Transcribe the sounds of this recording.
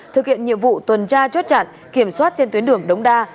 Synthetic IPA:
t̪ʰɨ˨˩k̚hḭ˧˨ənɲḭ˧˨əmvṵ˧˨t̪wə˨˩nt͡ɕaː˧t͡ɕɔ˦˥t̚t͡ɕa̰ː˧˨n | ki˧˩əmswaː˦˥t̚t͡ɕe˧nt̪wi˨˦nɗɨ˨˧˩əŋɗə˨˦wŋ͡mɗaː˧

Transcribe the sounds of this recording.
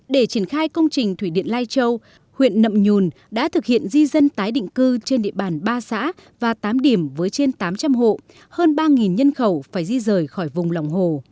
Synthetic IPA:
ɗe˧˩t͡ɕi˧˩ənxaː˧jkə˧wŋ͡mt͡ɕï˨˩ŋ̟t̪ʰwi˧˩ɗḭ˧˨ənlaː˧jt͡ɕə˧w | hwḭ˧˨ənːə̰˧˨mɲu˨˩n | ɗa̰ː˧˥t̪ʰɨ˨˩k̚hḭ˧˨ənzi˧zə˧nt̪aː˨˦jɗḭ̈˧˨ŋ̟kɨ˧t͡ɕe˧nɗḭ˧˨əɓaː˨˩nɓaː˧sa̰ː˧˥ | vaː˨˩t̪aː˨˦mɗi˧˩əmvəː˨˦jt͡ɕe˧nt̪aː˨˦mt͡ɕa˧mɦo̰˧˨ | həː˧nɓaː˧ŋi˨˩nɲə˧nxə˧˩wfaː˧˩jzi˧zəː˨˩jxɔ˧˩jvʊ˨˩ŋ͡mla˨˩wŋ͡mɦo˨˩

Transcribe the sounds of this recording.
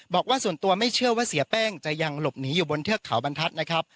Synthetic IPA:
bɔː˨˩k̚waː˥˩su˨˩ənt̪u˧ɐma˥˩jt͡ɕʰɯ˥˩ɐwaː˥˩si˨˩˦ɐpɛː˥˩ŋt͡ɕa˨˩ja˧ŋlo˨˩p̚niː˩˦juː˨˩bo˧nt̪ʰɯ˥˩əkʰːa˩˦wba˧nt̪ʰa˦˥t̪̚na˦˥kʰɾa˦˥p̚

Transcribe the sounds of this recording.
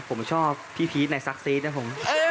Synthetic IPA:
pʰo˩˦mt͡ɕʰɔː˥˩p̚ʰːiː˥˩pʰiː˦˥t̪̚na˧jsa˦˥k̚siː˦˥t̪̚na˦˥pʰo˨˩˦mʔɤː˧

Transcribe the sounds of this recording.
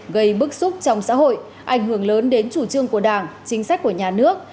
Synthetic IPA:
ɣə˧jɓɨ˦˥k̚sʊ˦˥k͡p̚t͡ɕɔ˧wŋ͡msa̰ː˧˥ɦo̰˧˨j | ʔa˧˩jŋ̟ɦɨ˧˩əŋləː˨˦nɗe˨˦nt͡ɕu˧˩t͡ɕɨ˧əŋku˧˩əɗaː˧˩ŋt͡ɕï˨˦ŋ̟sa˦˥k̟̚ku˧˩əɲaː˨˩nɨ˦˥ək̚

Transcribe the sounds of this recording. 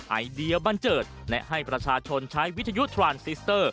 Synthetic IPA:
ʔa̰˧jdi˧əba˧nt͡ɕɤː˨˩t̪̚lɛ˦˥ʔɦa˥˩jpɾa˧t͡ɕʰaː˧t͡ɕʰo˧nt͡ɕʰaː˦˥jwi˦˥t̪ʰːa˧ju˦˥t̪ʰɾaː˧nsi˦˥st̪əː˥˩

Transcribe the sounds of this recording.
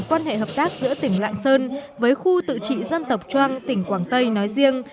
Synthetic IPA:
kwaː˧nɦḛ˧˨ɦəː˨˩p̚t̪aː˦˥k̚zɨ̰˧˥ət̪ï˧˩ŋ̟la̰ː˧˨ŋsəː˧nvəː˨˦jxu˧t̪ɨ̰˧˨t͡ɕḭ˧˨zə˧nt̪ə˨˩wk͡p̚t͡ɕwaː˧ŋt̪ï˧˩ŋ̟kwaː˧˩ŋt̪ə˧jnɔ˨˦jzi˧əŋ

